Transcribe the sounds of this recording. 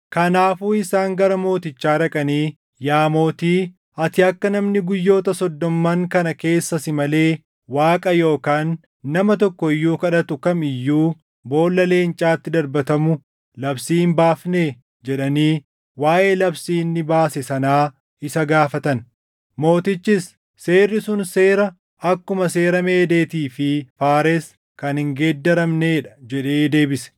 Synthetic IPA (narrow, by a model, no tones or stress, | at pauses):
kɐnaːfuːɪsaːŋɡɐɾɐmo̞ːt̪ɪt͡ʃːaːɾɐkʼɐniː | jaːmo̞ːt̪iː | ɐt̪ɪɐkːɐnɐmnɪɡʊjːo̞ːt̪ɐsɔd̪ːɔmːaŋkɐnɐke̞ːsːɐsɪmɐle̞ː | waːkʼɐjo̞ːkaːnː | ɐmɐt̪̬ɔkːɔɪjːuːkɐᶑɐt̪ʊkɐmɪjːuː | bo̞ːlːɐle̞ːnt͡ʃʼaːt̪ːɪd̪ɐɾbɐt̪ɐmʊ | lɐbsiːmbaːfne | d͡ʒɛᶑɐniː | waːʔe̞ːlɐbsiːnːɪbaːsɛsɐnaː | ɪsɐɡaːfɐt̪ɐn | mo̞ːt̪ɪt͡ʃːɪsː | eːrːɪsʊnse̞ːɾɐ | ɐkːʊmɐse̞ːɾɐme̞ːd̪e̞ːt̪iːfɪfaːɾɛs | kɐnɪŋɡeːd̪ːɐɾɐmneːᶑɐ̥d͡ʒɛᶑe̞ːd̪e̞ːbɪsɛ̥